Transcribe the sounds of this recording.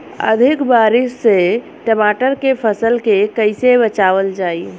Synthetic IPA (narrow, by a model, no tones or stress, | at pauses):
ə̰d̪ʱikbaɾisːe | ʈəmaʈəɾkepʰəsəlkekəɪsebət͡ʃaβəld͡ʒai